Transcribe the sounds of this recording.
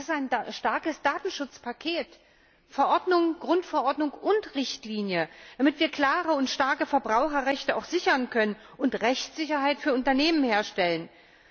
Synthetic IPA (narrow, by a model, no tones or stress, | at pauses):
sɪsaɪnʃtaɐkəsd̥aːtn̩ʃʊt͡spʰakʰeːt | fɛɐʔɔɐdnʊŋɡ̥ʁʊntfɛɐʔɔɐdnʊŋʊntʁɪçtliːnjəd̥amɪtv̥iːɐkl̥aːʁəʊntʃtaɐkəfɛɐbʁaʊxɐʁɛçtəaʊxz̥ɪçɐnkʰœnən | ʔʊntʁɛçt͡sz̥ɪçɐɦaɪtfyːɐʔʊntɐneːmənheːɐʃtɛlən